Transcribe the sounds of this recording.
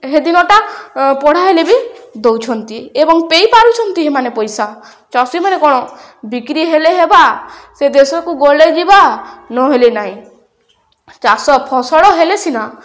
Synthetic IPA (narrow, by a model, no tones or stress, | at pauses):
ɦed̪inɔʈapɔɽ̤aɦelebid̪owt͡ʃʰɔnt̪iebɔŋpejpaɾut͡ʃʰɔnt̪iɦemanepɔjsa | t͡ʃɔsimanekɔɽ̃ɔ | bikɾiɦeleɦebased̪esɔkuɡoɭed͡ʒibanɔɦelenaɦĩ | t͡ʃasɔpʰɔsɔɽɔɦelesʰina